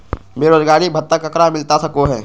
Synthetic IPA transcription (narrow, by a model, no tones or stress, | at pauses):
beːɾoːd͡ʒɡaːɾibʱɐt̪ːəkɐkɾamɪlt̪asɐkoɦɛː